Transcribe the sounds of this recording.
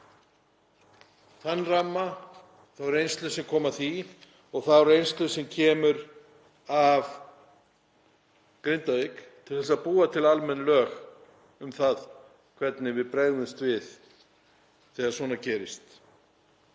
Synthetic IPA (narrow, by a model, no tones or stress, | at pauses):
θanːramːa | θawɛɾejnst̪lʏsɛmkʰɔːmaθi | ɔɣθawɛɾejnst̪lʏsɛmcʰɛːmʏɾ | av | kɾɪnt̪avekt̪ʰɪlθɛs̬aðpuːat̪ʰɪlalmɛnːlœːx | ʏmθað | kʰvɛt̪nɪvɪðpɾeːɣðʏnst̪vɪð | θɛːɣaɾ̥svɔːnacɛːɾɪst̪